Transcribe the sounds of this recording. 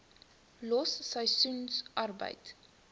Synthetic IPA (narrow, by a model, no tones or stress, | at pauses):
lɔsːəjsunsʔɐrbə̰jt